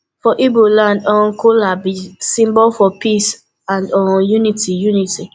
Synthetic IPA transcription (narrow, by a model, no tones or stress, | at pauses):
fɔʔibolãndɔ̃kʰolabisĩmbɔlfɔpis | ãndɔ̃junitijuniti